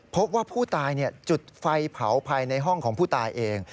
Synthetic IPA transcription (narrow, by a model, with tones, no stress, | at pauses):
pʰo˦˥p̚waː˥˩pʰuː˥˩t̪aː˧jni˥˩ɐt͡ɕu˨˩t̪̚fa˧jpʰa˩˦wpʰaː˧jna˧jɦɔ˥˩ŋkʰɔː˩˦ŋpʰuː˥˩t̪aː˧jʔeː˧ŋ